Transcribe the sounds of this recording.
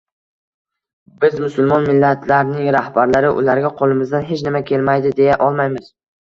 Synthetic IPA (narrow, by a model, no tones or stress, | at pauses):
bɪzmʊsʊlˠmɒnmɪlːat̪ʰlaɾnɪŋɾahbaɾlaɾɪʔʊ̰laɾɡʲaqʰolˠɪmɪzd̪anɦe̞t͡ʃnɪmakʲʰe̞lmajd̪ɪd̪e̞jaʔɒlˠmajmɪz̥